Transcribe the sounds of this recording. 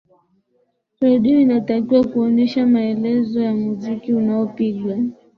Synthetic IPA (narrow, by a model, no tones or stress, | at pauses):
ɾɔɗiɔinatakiwakuɔnɛʃamaɛlɛzɔjamuzikiunaɔpiɠwa